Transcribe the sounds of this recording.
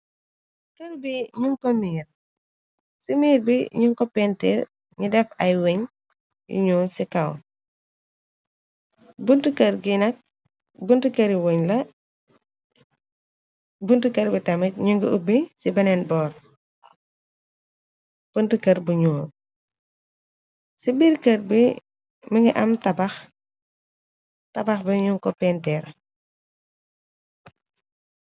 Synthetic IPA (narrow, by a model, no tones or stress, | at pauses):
kɐɾbiɲuŋkɔmiːr | simiːɾbiɲuŋkɔpɛntḭɾ | ɲudɛfɐjweɲ | jḭɲuːsikɐw | buntukɐɾɡinɐk̚ | buntukɐɾiwoɲlɐ | buntukɐɾbitɐmɐc̚ɲuŋɡuubisibɐnɛnbɔːr | b̥untukɐɾbuɲuː | sibiɾkɐɾbi | miŋɡɐʔɐmtɐbɐx | tɐbɐxbɐɲuŋkɔpɛntɛɾ